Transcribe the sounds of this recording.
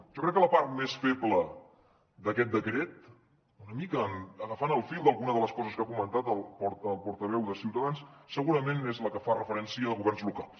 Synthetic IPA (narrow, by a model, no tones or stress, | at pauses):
ʒ̥ɔkɾɛkːələpaɾt̪̚mesfeblə | d̪əkɛt̪̚d̪əkɾɛt̪̚ | unəmikəːməɣəfanəlˠfilˠd̪əlˠɣunəðələskɔzəskakumənt̪at̪əlˠpɔɾt̪əlˠpɔɾt̪əβ̞ɛwðəsiwt̪əðanssːəɣuɾəmenezləkəfarəfəɾɛnsiəðəɣuβɛrnzlukalˠs